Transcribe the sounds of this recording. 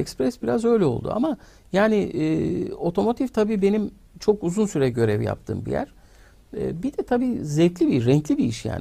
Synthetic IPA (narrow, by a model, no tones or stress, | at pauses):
ɛkspɾɛsbiɾazø̞jlʲɛo̞lˠd̪ṵa̰ma | jaːnɪɛːo̞t̪ʰo̞mo̞t̪ʰift̪ʰabiːbe̞nim | t͡ʃʰo̞kuzunsyɾɛɟø̞ɾɛvja̰p̚t̪ʰɯ̰ːmbḭjæ̰ɾ̥ | ɛ̰ːbid̪̥ɛt̪ʰabiːzɛvclʲibiɾɛɲclʲibiiʃja̰ːn